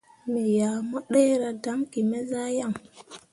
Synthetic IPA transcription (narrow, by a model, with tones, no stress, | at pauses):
mi˨ja˨mɔ˦ɗɛ˦ɾa˨da˦ŋki˨mɛ˦za˦ja˦˨ŋ